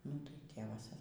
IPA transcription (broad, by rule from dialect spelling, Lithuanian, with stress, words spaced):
nʊ tɐɪ ˈtʲeːʋɐs